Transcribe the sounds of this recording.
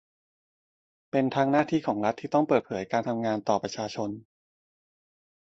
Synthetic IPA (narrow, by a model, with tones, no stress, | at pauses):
pe˧nt̪ʰaː˧ŋnaː˥˩t̪ʰiː˥˩kʰɔː˩˦ŋɾa˦˥t̪ʰːiː˥˩t̪ɔ˥˩ŋpɤː˨˩t̪̚pʰɤː˩˦jkaː˧nt̪ʰa˧mŋaː˧nt̪ɔː˨˩pɾa˧t͡ɕʰaː˧t͡ɕʰo˧n